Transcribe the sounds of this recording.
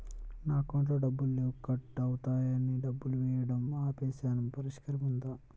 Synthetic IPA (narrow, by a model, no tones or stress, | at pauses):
naːkoɳʈɐɖɐbːulːukɐʈːɐwut̪aːjɐniɖɐbːuluʋɛːjɐɽɐmaːpeːsaːnɐmpɐɾiʂkɐɾɐmund̪aː